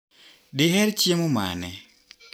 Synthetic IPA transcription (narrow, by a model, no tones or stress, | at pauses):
dɪɦɛɾt͡ʃjemoma̰nɛ